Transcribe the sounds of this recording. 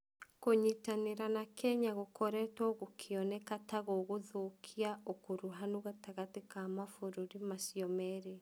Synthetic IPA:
koɲitaneɾanakɛɲaɣokʰɔɾɛtɔɣokʰiɔnɛkataɣoɣoðokʰiaokoɾuɦanoɣataɣatekamafoɾoɾimasiɔmɛɾe

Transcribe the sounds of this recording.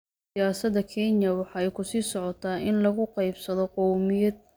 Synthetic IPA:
jaːsɐd̪ɐkʰɛnjɐwɑħɑːɛjkʰʊsiːsɔʕɔt̪ʰaːʔɪnlɐɣʊqɑjbsɐðɔqɔwmɪjɐd̪̚

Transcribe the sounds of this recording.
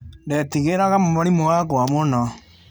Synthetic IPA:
ndɛtiɣeɾaɣamomaɾimowaɡwamonɔ

